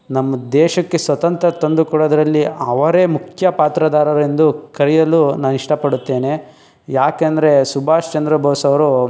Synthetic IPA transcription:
nɐmːɐd̪ɛːʃɐkːe̞sʋɐt̪ɐnt̪ɾɐt̪ond̪ukuɽoːd̪ɐɾɐlːiɐʋɐɾeːmukʰjɐpaːt̪ɾɐd̪aːɾɐɾend̪ukɐɾijɐlunaːniʂʈɐpɐɽut̪ːe̞ːne | jaːkɐnd̪ɐɾe̞subʱaːʂt͡ʃɐnd̪ɾɐbʱɐːsɐʋɐɾu

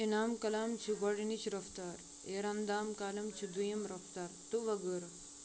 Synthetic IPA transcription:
inaːmkɐlaːmt͡ʃʰiɡɐɽinit͡ʃʰiɾɐft̪aːɾ | eːɾɐnd̪aːmkaːlɐmt͡ʃʰid̪ujɐmɾɐft̪aːɾt̪uʋɐɡəɾ

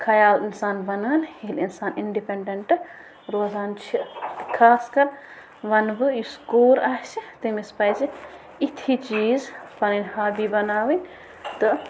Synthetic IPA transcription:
kʰɐjaːlinsaːnbɐnaːnʲhilinsaːniɳɖipeɳɖɐɳʈɨ | ɾoːzaːnt͡ʃʰikʰaːskɐɾ | ʋɐnbɨjiskoːɾaːsit̪imispɐjzi | it̪ʰit͡ʃiːzpɐninʲhaːbibɐnaːwinʲ | t̪ɨ

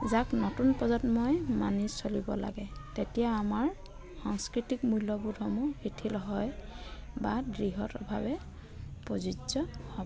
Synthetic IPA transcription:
zaknɔtunpɔzɔtmojma̰nisolibɔ̰la̰ɡɛtetijaamaɹ | xɔŋskɹitikmujlɔbudʱɔmuhitʰilɦɔjbadɹiɦɔtɔbʱa̰bɛ | pɔzizɔhɔbɔ

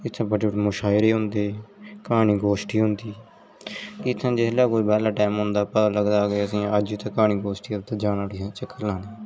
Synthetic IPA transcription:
ɪt̪ʰːãːbəʈiʈːmʊʃaːɪɾeːɦʊ̃nd̪eːkaːniːɡoːʃʈiːɦʊ̃nd̪iː | kɪt̪ʰːãːd͡ʒɪslaːkoːibɛːlaːʈaːmɦʊ̃nd̪aːpət̪ãːləɡd̪aːɡeəsĩːəd͡ʒiːt̪ãːkaːñiːɡoːsʈiːət̪aːd͡ʒaːnaːʈiːãt͡ʃəkːəɾlãːneː

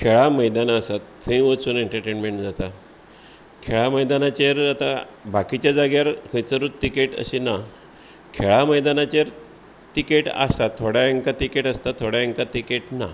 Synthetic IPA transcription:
kʰeɭaməjd̪anaəsat̪ːʰ | ẽjʋət͡suːneɳʈəɾʈenmeɳʈd͡zat̪a | kʰeɭaməjd̪anat͡ɕeɾat̪abakit͡ɕjad͡zaɡjaɾkʰəjt͡səɾut̪t̪ːikeʈə̰ɕina | kʰeɭaməjd̪anat͡ɕeɾ | t̪ikeʈa̰sat̪ʰːoɽaeŋkat̪ikeʈast̪at̪ʰoɽaeŋkat̪ikeʈna̰

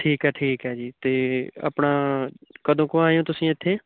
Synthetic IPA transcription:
ʈʰiːkɦɛːʈʰiːkɦɛːd͡ʒiːt̪eːə̰pɳaːkəd̪ʱõːkoaːjõːt̪ʊsĩːɪt̪ʰːeː

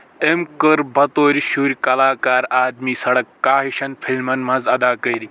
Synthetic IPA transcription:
emkəɾbɐt̪oːɾʲɕuːɾʲkɐlaːkaːɾaːd̪miːsɐɽɐkːaːɦiɕɐnfʰilmɐnmad͡zɐd̪aːkɐjɾi

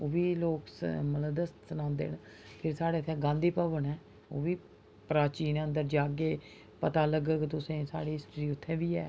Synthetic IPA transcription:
oːʋiːloːksmələd̪əst̪sənãːnd̪ḛːn | pʰɪɾsaːɽeːt̪ʰːɛ̃ːɡãːnd̪iːpəʋənɛː | oːʋiː | pɾaːt͡ʃiːnə̃nd̪əɾd͡ʒaːɡeː | pət̪aːləɡəkt̪ʊsẽːsa̰ːɽiːɦɪsʈɾiːʊt̪ʰːɛ̃ːʋiːɛ̰ː

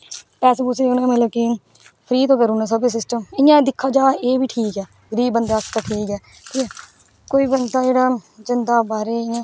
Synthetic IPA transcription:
pɛːseːbʊseːʊnẽːmət̪ləb̚ki | pʰɾiːt̪oːkəɾũːnãːs̬əbes̬ɪsʈəmɪjãːd̪ɪkʰːaːd͡ʒaːeːbiːʈʰiːkɛː | ɡəɾiːbːənd̪aːst̪aːʈʰiːkɛː | ʈʰiːkɛː | koːiːbənd̪aːd͡ʒeːɽaːd͡ʒɪnd̪aːbaːɾeːɪjãː

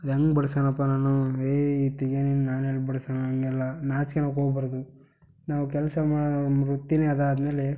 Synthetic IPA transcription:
ɐd̪ɐŋɡbɐɽsaːnɐpːanaːnueːit̪iɡeninaːnɛlːbɐɽsaːnuɐŋɡɛlːɐnaːt͡ʃkenaːwkoːɡbaːɾɐd̪u | naːʋuk̬ɛlsɐmaːɽɾut̪ːineːɐd̪aːd̪me̞ːle

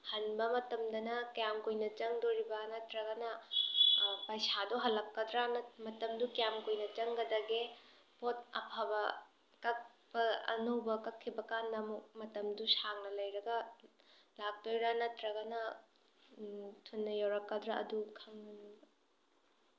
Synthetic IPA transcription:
hɐnbɐmɐtɐmdɐnɐkɐjamkojnɐt͡ʃɐŋdoɾibɐnɐtɾɐɡɐnɐ | pɐjsadɔɦɐlːɐp̚kɐd̪ɾanɐmɐtɐmdukɐjamkojnɐt͡ʃɐŋɡɐdɐɡe | pot̚ɐ̰pʰabɐ | kɐk̚bɐɐ̰nowbɐkɐkʰːibɐkandɐmuk̚mɐtɐmdusaŋnɐlɐjɾɐɡɐ | lak̚tojɾanɐtɾɐɡɐnɐ | tʰunːɐjawɾɐkːɐdɾaɐ̰dukʰɐŋnɐnbɐ

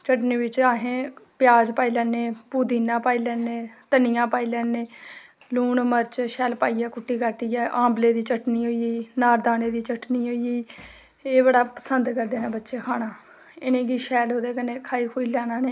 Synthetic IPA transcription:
t͡ʃəʈnĩːʋɪt͡ʃaːɦẽːpɪjaːd͡ʒpaːiːlɛːneːpuːd̪iːnãːpaːiːlɛːnẽːt̪ənɪjãːpaːiːlɛːnẽː | luːnməɾt͡ʃʃɛːlpaːiːjaːkʊʈːiːkəʈijaːʔãːmbleːd̪iːt͡ʃəʈniːɦoːiiːnaːɾd̪aːneːd̪iːt͡ʃəʈniːɦoːiiː | eːbəɽaːpə̥sənd̪kəɾd̪eːnaːbətːʃeːkʰaːɽaː | ɪnẽːɡiːʃɛːlɦoːd̪eːkəneːkʰaːiːkʰoːiːlɛːnaːneː

